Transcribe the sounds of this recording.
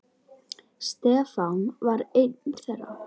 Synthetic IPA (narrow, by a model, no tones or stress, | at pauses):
st̪ɛːfanvaɾejt̪̚nθɛrːa̰